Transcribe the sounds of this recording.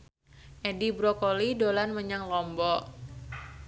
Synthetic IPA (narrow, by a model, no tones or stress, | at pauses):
ʔedibɾokolidolanməɲaŋlɔmbɔ